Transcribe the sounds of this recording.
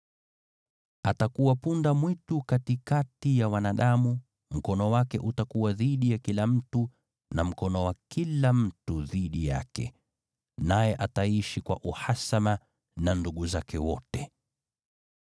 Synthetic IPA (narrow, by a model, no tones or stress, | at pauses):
atakuwapundamwitukatikatijawanaɗamu | m̩kɔnɔwakɛʔutakuwaðiɗijakilam̩tu | nam̩kɔnɔwakilam̩tuðiɗija̰kɛ̰ | najɛʔataiʃikwa̰ʔuhasama | nanduɠuzakɛwɔtɛ